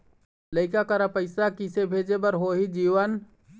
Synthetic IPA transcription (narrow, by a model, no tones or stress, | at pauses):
ləɪkakəɾapəɪsakisebʱed͡ʒebəɾɦoɦid͡ʒiʋən